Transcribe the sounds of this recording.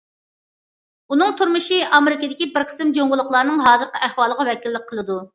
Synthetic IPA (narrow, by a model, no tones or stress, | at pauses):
un̪ɨŋt̪ʰuɾmɨʃiʔɑmeɾɪkʲɪd̪ɪkʲibɪɾqʰə̥sɨmd͡ʒoŋʁʊlˠəχlˠɑɾnɨŋɦɑːd͡ʒəɾqʰɑʔæhwɑːlˠəʁɑwɛkʲilːɪk̚ʲqʰːəlˠɨd̪u